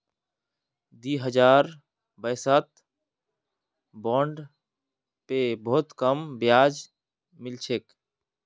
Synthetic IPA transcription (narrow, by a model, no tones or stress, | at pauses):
d̪iɦəd͡ʒaːɾ | bəjsət̪ | bɔːɳɖ | pebɔɦt̪kəmbjaːd͡ʒ | mɪlt͡ʃʰeːk